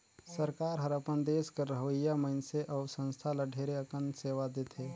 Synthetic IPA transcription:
səɾkaːɾɦəɾəpənd̪eːskəɾːəɦəijaməɪnseʔɐʊsə̃nst̪ʰaləɖʱeːɾeəkənseːʋad̪eːt̪ʰeː

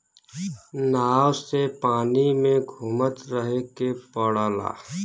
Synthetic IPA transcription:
naːwsepaːnimẽɡʱumət̪ɾəɦekepɔɽaːla̰ː

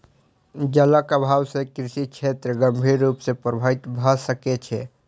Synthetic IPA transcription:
d͡ʒələkəbʱawsekɾisit͡ʃʰet̪ɾəɡəmbʱiɾːupsepɾəbʱəit̪bʱəsəket͡ʃʰɛ

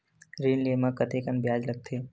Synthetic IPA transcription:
ɾiːnleːmãkət̪ekənbjaːd͡ʒlɐɡ̚t̪ʰeː

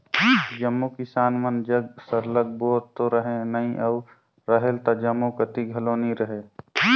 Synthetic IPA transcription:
d͡ʒəmːukɪsaːnmənd͡ʒəɡsəɾləɡ̚boːt̪t̪oɾəɦẽnɐĩʔɐʊ | ɾəɦelt̪ad͡ʒɐmːukət̪iɡʱɐloːniɾəɦeː

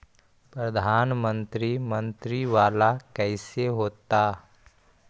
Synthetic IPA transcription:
pɾəd̪ʱaːnmə̃nt̪ɾimə̃nt̪ɾiʋaːlakɛːseɦoːt̪aː

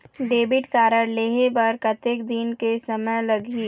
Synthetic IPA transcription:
ɖeːbɪʈkaːɾəɾleːɦebəɾkɐt̪ekd̪ɪnkesɐməjlɐɡi

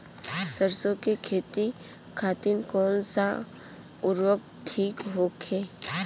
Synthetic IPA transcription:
səɾsõkekʰeːt̪i | kʰaːt̪ɪnkɔːnsa | ʊɾwək̚ | tʰiːkɦoːkʰeː

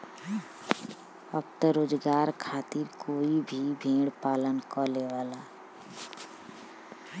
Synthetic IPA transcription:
əb̚t̪əɾoːd͡ʒɡaːɾkʰaːt̪iɾkʰoːibʱibʱẽːɽpaːlənkɔleʋaːlaː

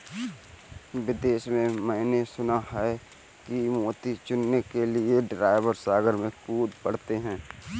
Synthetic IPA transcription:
ʋɪd̪eːʃmẽmɛ̃ːnesʊnaɦɛ | kimoːt̪it͡ʃʊnːekelieɖɾaːɪʋəɾsaːɡəɾmẽkuːd̪pəɽ̤t̪eɦɛ̃ː

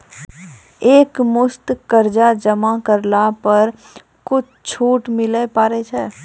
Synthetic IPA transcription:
eːkmʊst̪kəɾd͡ʒad͡ʒəmakəɾlapəɾ | kʊt͡ʃʰt͡ʃʰuːʈmɪlepaːɾet͡ʃʰɛː

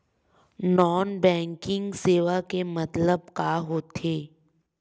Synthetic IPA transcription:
nɔːnbɛ̃ːŋkɪ̃ŋɡseːʋakemɐt̪ləb̚kaːɦot̪ʰeː

